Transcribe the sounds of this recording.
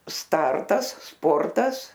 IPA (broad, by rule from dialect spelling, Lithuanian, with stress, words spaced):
ˈstɐrtɐs ˈspoːrtɐs